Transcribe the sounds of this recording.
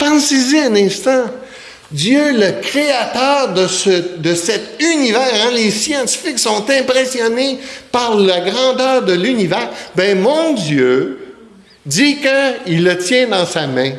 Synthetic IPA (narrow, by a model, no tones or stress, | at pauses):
pɑ̃siziɛ̃nɛ̃st̪ɑ̃ | d̪jøləkʁeat̪œːʁd̪əsəd̪əsɛt̪ynivɛːʁɛ̃lesjɑ̃t̪i̥fɪksɔ̃t̪ɛ̃pʁesjɔnepaʁlaɡʁɑ̃d̪œːʁd̪əlynivɛːʁbɛ̃mɔ̃d̪jø | d̪ikəilːət̪jɛ̃d̪ɑ̃samɛ̃